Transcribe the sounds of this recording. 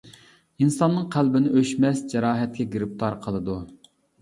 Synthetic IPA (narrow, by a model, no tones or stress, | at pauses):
insɑnːɨŋqʰælbɪnɪʔøʃmɛsd͡ʒɛɾɑːɦɛt̪̚kʲɛɡʲiɾɪp̚t̪ʰɑɾqʰəlˠɨd̪u